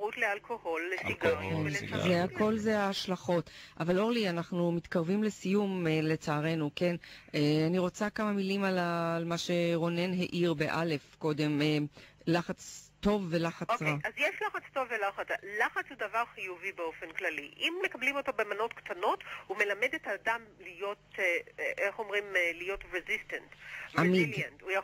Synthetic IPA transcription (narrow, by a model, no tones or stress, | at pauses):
ʁut̪lealkʰoholɡenzeako̞lzeaaʃlaχo̞tʔavalo̞ʁlianaχnumit̪kaʁvimle̞sijumele̞t͡saːʁe̞nuke̞neaniʁo̞t͡sakamamilimalalmaʃe̞ʁo̞ne̞nɦe̞ʔiʁbe̞ʔale̞fko̞d̪e̞melaχat͡sto̞vːe̞laχaosʁaazjeʃlaχat͡sto̞vːelaχat͡salaχat͡shudavaʁχijuvibeo̞fenklaliʔimːe̞kablimo̞to̞bemano̞t̪kt̪ano̞thume̞lamedetaːdamlijo̞t | ʔeχomʁimlijo̞tʁezistantamidlentuja